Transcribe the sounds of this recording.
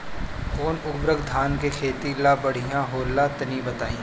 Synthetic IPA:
xoːnʊbɾəɡd̪ʱaːnkekʰeːt̪ilabɐɽ̤ijãɦoːlːat̪ɐniːbɐt̪aːĩː

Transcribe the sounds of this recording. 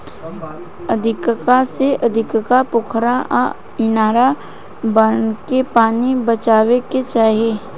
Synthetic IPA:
əd̪ʱɪkkaseʔɐd̪ʱɪkkapʊkʰɾa | ɪnaːɾa | bənkepaːnibət͡ʃaːweket͡ʃaːɦeː

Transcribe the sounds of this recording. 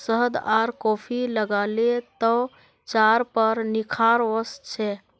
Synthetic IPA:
səɦd̪aɾkɔpʰiləɡalet̪ɔ | t͡ʃaɾpəɾnikʰaɾʋəst͡ʃʰɛ

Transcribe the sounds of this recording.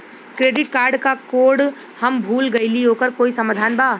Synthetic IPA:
kɾeːɖɪʈ̚kaːɾɖkakoːɖ | hɐmbʱuːlɡɐiliɦoːkəɾkoːisɐmaːd̪ʱaːnbaː

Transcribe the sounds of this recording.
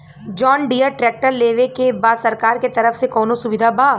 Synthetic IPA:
d͡ʒɔːnɖijəɾʈɾɛːk̚ʈəɾleːʋekebaːsɐɾkaːɾket̪ɐɾəfsekɔːnõsʊʋɪd̪ʱabaː

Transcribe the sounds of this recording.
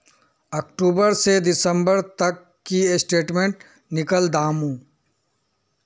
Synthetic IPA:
ɐkʈuːbəɾseɖ̪ɪsə̃mbəɾt̪ɐkːisʈeːʈmẽːɳʈ̚ | nɪkəld̪aːmũː

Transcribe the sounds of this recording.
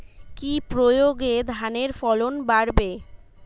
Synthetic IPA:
kipɾojoɡed̪ʱaneɾfɔlonbaɾbe

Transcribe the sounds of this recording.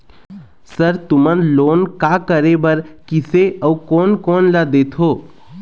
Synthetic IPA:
səɾt̪ʊmənloːnkakəɾebəɾkɪseəukoːnkoːnlad̪eːt̪ʰɦoː

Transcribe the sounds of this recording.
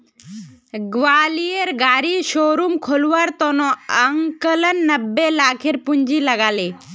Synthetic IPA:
ɡʋaːlieɾɡaːɾiʃoːɾumkʰoluʋaɾt̪onoəŋkələnːəbːelaːkʰeɾpuɲd͡ʒiləɡaːleː

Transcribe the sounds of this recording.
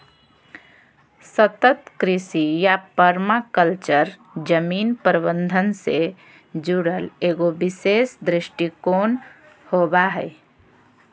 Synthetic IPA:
sət̪ət̪kɾɪsijapəɾmakəlt͡ʃəɾ | d͡ʒəminpəɾəbənd̪ʱənse | d͡ʒuɽəleɡobisesd̪ɾɪʃʈikoːn | hobaɦəɪ

